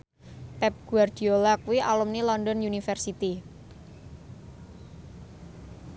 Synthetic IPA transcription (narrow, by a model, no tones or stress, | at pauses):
pɛp̚ɡ̥uard̪̥iolakuwiʔalumnilɔndɔnjunifɛrsit̪i